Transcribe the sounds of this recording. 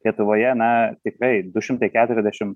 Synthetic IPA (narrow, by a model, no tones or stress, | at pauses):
lʲiɛt̪ʊʋoːjɛnɐt̪ʲɪkɾɐɪd̪ʊʃʲɪmt̪ɐɪkʲæːt̪ʊɾʲɛzʲd̪ʲæʃʲɪm